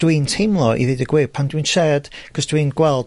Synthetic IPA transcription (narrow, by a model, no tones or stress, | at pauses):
d̥wiːntʰɪmlˠɔʔḭðɪdəɡwɪpʰandwiːnʃɛːd̥ɡ̥ɔsdwinɡwɛlˠd